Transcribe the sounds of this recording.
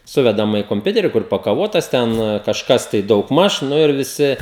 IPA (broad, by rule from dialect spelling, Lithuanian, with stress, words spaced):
ˈsʊʋʲɛdɐmɐ ɪ koːmʲˈpʲʊtʲɛrʲɪ ˈkʊr pɐkɐˈʋoːtɐs ˈtʲɛn kɐʃˈkɐs tɐɪ dɐʊɡˈmɐʃ ˈnʊ ɪr ʋʲɪˈsʲɪ